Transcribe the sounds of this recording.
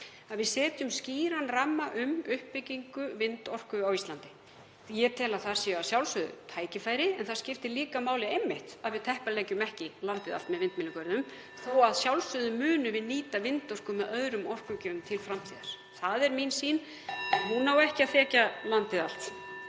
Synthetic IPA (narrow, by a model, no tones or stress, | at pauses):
aðvɪðsɛːt̪jʏmsciːɾanramːaʔʏmʏhpːɪcːiŋkʏvɪnt̪ɔr̥kʏawist̪lant̪ɪ̥ | jɛt̪ʰɛːlaθaɾ̥sɛːasjawlsʏðʏ̰t̪ʰaːjcɪfaːjɾɪɛnθaɾ̥scɪft̪ɪliːkamaːwlɪejmːɪht̪aðvɪðt̪ʰɛhpalɛjcʏmɛhcɪlant̪ɪða̰lt̪mɛðvɪnt̪mɪnʏkʰœɾɪnʏm | θowaðsjawlsʏðʏmʏːnʏvɪðniːt̪avɪnt̪ɔr̥kʏmɛðœðɾʏmɔr̥kʏcœːʏmt̪ʰɪlfɾamt̪ʰiːðaɾ̥ | θaðɛɾminsiːn | ahunːawɛhcɪaðθɛːcalant̪ɪðal̥t̪